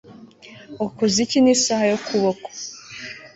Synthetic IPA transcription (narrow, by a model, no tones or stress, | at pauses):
okozicinisahajokʰuβoko̥